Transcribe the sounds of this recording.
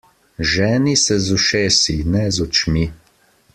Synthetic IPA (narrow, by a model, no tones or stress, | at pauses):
ʒɛːnisɛzɔʃeːsinɛzɔt͡ʃmi